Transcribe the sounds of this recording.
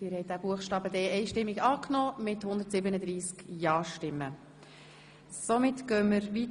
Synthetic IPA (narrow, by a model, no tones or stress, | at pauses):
ɪːɾhɛj̚d̥̪æb̥uəχʃtɑːbəd̪ɛɛɪʃtɪmːiɡɑːknɔːmɪthʊnd̪əɾtsɪbənəd̪ɾiːskjɑːʃtɪmːə | somɪt̪ɡ̥œːməɾʋit